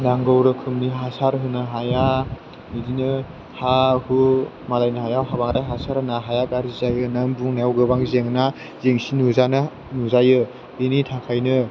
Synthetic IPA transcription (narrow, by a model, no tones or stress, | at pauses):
naŋɡowɾɯkʰɯmniɦasaɾɦɯnɯɦaja | nidinɯ | hahu | malajnɯɦajawɦabaŋɾajɦasaɾhɯnaɦajakaɾizajɯnambuŋnawɡɯbaŋzeŋna | zeŋsinuzan | nuzajɯ | initʰakʰajnɯ